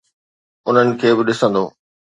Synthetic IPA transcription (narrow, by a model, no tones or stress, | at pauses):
ʊn̤ənɪ̆kʰeːbɪɗɪsə̃nd̪oː